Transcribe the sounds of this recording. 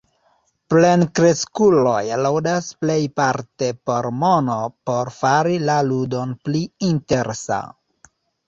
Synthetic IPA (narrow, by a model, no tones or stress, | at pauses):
plenkɾe̞skulo̞jlowdasple̞jpaɾte̞po̞ɾmono̞po̞ɾfaɾilaludo̞npliinte̞ɾsa̰